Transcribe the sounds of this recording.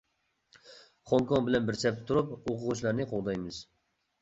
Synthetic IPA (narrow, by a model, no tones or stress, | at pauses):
χoŋkɔŋbɪlɛnbɪɾsɛp̚t̪ʰːuɾupoqʰʊʁʊt͡ʃlˠɑɾnɨqʰolˠd̪ɑjmɨz